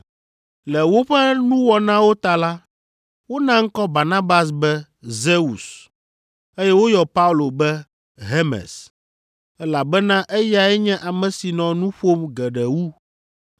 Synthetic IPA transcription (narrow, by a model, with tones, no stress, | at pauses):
lɛ˨wo˦ɸɛ˦nũ˦wɔ˨nã˦wo˦t̪a˨la˦ | wo˦nã˦ŋ̩˦kɔ˦ba˨nã˦ba˨s̬bɛ˦ | ze˦u˨s | e˦jɛ˦wo˦jɔ˨pa˦u˦˨lo˨bɛ˦ | ɦe˦mɛ̰˨s | ɛ˦la˨bɛ˦nã˦ʔɛ˦ja˨ɛ˦ɲɛ̃˦ʔa˨mɛ̃˨si˨nɔ̃˨nũ˦ɸo˦mɡɛ˨ɖɛ˨wu˦